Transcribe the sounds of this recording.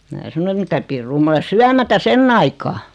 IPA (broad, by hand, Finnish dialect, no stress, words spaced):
mæː sɑno et mitæ pirːuː m ole syæmætæ senː ɑikɑː